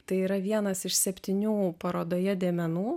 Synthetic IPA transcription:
t̪ɐɪiːɾɐʋʲiɛnɐsɪʃsʲɛpʲt̪ʲɪnʲuːpɐɾoːd̪oːjɛdʲeːmʲɛnuː

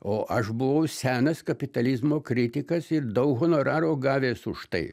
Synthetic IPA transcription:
oːʔɐʃbʊʋɐʊsʲæːnɐskɐpʲɪt̪ɐlʲɪzmoːkɾʲɪt̪ʲɪkɐsɪrd̪ɐʊkɦoːnoːɾɑːɾoːɡɑːʋʲeːsʊʃt̪ɐ̰ɪ

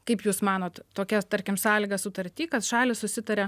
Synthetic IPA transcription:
kɐɪpjuːsmɑːnoːt̪t̪oːkʲɛt̪ɐɾʲkʲɪmsɑːlʲɪːɡɐsʊt̪ɐɾʲt̪ʲiːkɐt̪ʃɑːlʲɪssʊsʲɪt̪ɐɾʲɛ

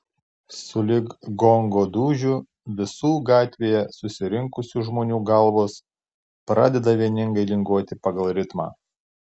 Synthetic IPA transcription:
sʊlʲɪɡɡɔŋɡoːd̪uːʒʲu | ʋʲɪsuːɡɑːt̪ʲʋʲeːjɛsʊsʲɪɾʲɪŋkʊsʲuʒmoːnʲuːɡɐlˠʋoːs | pɾɑ̰ːd̪ʲɛd̪ɐʋʲiɛnʲɪŋɡɐɪlʲɪŋɡuɔt̪ʲɪpɐɡɐlˠɾʲɪt̪mɑ̰ː

